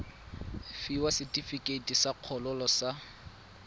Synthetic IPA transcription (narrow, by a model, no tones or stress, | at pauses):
fiwasɪtʼifikʼetʼisaq͡χʰɔlɔlɔsa